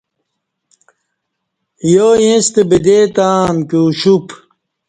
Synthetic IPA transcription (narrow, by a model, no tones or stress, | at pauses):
joːjẽst̪ebid̪eːt̪aːmkuːɕup